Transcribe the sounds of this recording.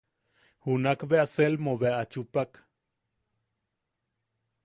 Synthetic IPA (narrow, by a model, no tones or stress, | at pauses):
hunakβeaselmoβeaat͡ʃupak